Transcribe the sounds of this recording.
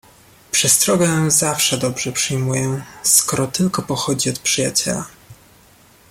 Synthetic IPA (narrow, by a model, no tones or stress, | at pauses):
pʂɛst̪ɾɔɡɛzafʂɛd̪ɔbʐɛpʂɘjmujɛskɔɾɔt̪ɘlkɔpɔxɔd͡ʑiɔt̪pʂɘjat͡ɕɛ̰la